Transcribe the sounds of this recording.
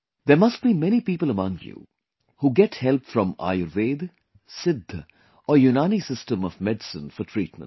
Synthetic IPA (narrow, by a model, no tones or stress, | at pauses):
d̪eɾmʌsʈ̚bimɛñipiːpələmʌ̃ŋɡjṵː | huːɡɛʈhɛlpfɾʌ̃ma̰ːjʊɾʋeːd̪ | sɪd̪ʱː | ɔːɾjunaːnisɪstə̃mɔvmɛɖsə̰̃nfɔɾʈʰɾiːʈ̚mə̰̃n